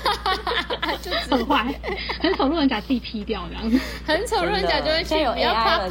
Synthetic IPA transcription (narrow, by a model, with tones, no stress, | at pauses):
ə˨˩nxwa˥˩ɪxə˨˦nt͡sʰo˨˩˦ŋlu˥˧ə˧˥nt͡ɕja˨˩t͡si˨˩pʰi˧˥t̪jɑ˥˨˩ʊna̰˧˥˦ŋ˧˩ | xə˨˦nt͡sʰo˨˩˦ŋlu˥˩ə˧˦nt͡ɕja˨˩jo˥˧we˥˧t͡ɕy˥˧o˨˩ja˥˩kʰa˥